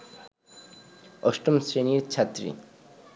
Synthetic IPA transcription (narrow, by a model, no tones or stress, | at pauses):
ɔʃʈomsɾeniɾt͡ɕʰat̪ːɾḭ